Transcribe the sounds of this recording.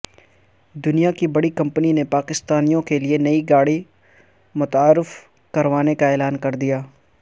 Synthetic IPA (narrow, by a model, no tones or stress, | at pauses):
d̪ʊnijakibɐɽikɐ̃mpninepaːkɪst̪aːnijõkelienɐiɡaːɽi | mʊt̪aːɾɪf | kɐɾʋaːnekaɛːlaːnkɐɾd̪ijaː